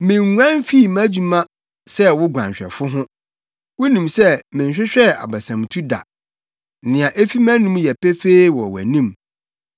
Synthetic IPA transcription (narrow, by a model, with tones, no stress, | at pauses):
mɪ̃˨ŋu˦ã˦n˦fi˦˨mã˦d͡ʑu˨mã˦ | sɛ˦wʊ˦ɡʷã̰˨ɲ˨ɕᶣɛ̰˨fʊ˦ɦʊ̃˦ | wʊ˦nĩ˨msɛ˦mɪ̃˨ɲ˨ɕᶣɪ˦ɕᶣɛ˦˨a̰˨ba˨sã˨m˨tʰu˦da̰˨ | nɪ̃˨ã˨ʔe˦fi˦mæ̃˦nũ˦m˦jɛ˨pɛ˦fe˦wɔ̰˨wæ̰˨nĩ˦m